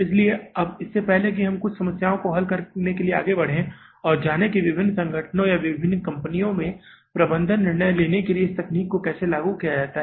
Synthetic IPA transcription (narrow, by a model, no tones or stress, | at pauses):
ɪslieɐbɪsːepɛɦlek̬iɦɐmkʊt͡ʃʰsɐməsjaːõkoɦɐlkɐɾnekeliea̰ːɡebɐɽ̤ẽ | ɔːɾd͡ʒaːnekiʋɪbʱɪnːsɐ̃ŋɡʱəʈʰnõjaʋɪbʱɪnːkɐ̃mpənijõmẽ | pɾɐbə̃nd̪ʱənːɪɾɳəjleːnekelieɪst̪ɐkniːkːokɛːselaːɡukijad͡ʒaːt̪aɦɛ